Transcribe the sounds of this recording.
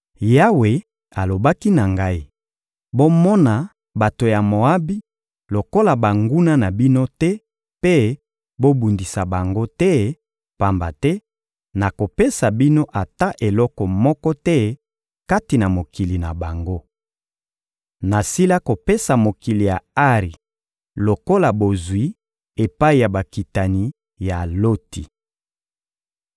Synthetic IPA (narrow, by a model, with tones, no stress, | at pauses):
ja˦we˨ | a˨lo˨ba˦ki˦na˨ŋɡa˦i˦ | bo˦mɔ˦na˨ | ba˨to˨ja˨mo˨a˦bi˦ | lo˨ko˦la˨ba˨ŋɡu˦na˦na˨bi˦no˦tɛ˦ | pe˦ | bo˦bu˨ndi˨sa˨ba˨ŋɡo˦tɛ˦ | pa˨mba̰˨tɛ˦ | na˨ko˨pe˦sa˨bi˦no˦ʔa˨ta˦ʔe˨lɔ˦kɔ˨mɔ˦kɔ˦tɛ˦ | ka˦ti˨na˨mo˨ki˨li˨na˨ba˨ŋɡo˦ | na˨si˦la˦ko˨pe˦sa˨mo˨ki˨li˨ja˨a˦ʁi˨ | lo˨ko˦la˨bo˨zwi˨˦ | e˨pa˦i˨ja˨ba˨ki˨ta˨ni˨˦ | ja˨lo˦ti˨